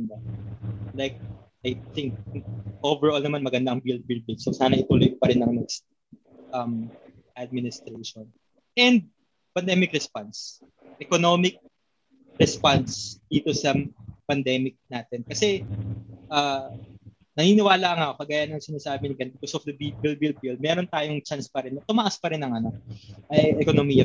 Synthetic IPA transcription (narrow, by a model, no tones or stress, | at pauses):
nd̪a | lajk̚ | ʔajθɪŋk̚kʔovɛɹʔolnɐmanmɐɡɐnd̪aɐŋbil̚bɪl̚bɪlsosaːnɐʔɪt̪uːloj̚pɐɾɛnːɐŋnɛkst̪̚ | ʔɐm | ʔɐd̪̚mɪnɪst̪ɾeʃon | ʔɛnd̪̚ | pɐnd̪ɛmɪkɾɛspans | ʔɛkonomɪk̚ | ɾɛspansd̪̥iːt̪osɐpɐnd̪ɛmɪk̚naːt̪ɛnkɐsɛ | ʔaː | nɐniːnɪwaːlaʔŋaʔokɐɡaːjɐnɐŋsɪnaːsaːbɪnɪkɐnbɪkosɔfd̪ɐbibilbil̚bild̪̚mɛːɾo̞nt̪aːjoŋt͡ʃanspɐɾɛnt̪ʊmɐʔaspɐɾɪnːɐŋʔɐnak̚ʔɐjʔɛkonomiːjɐ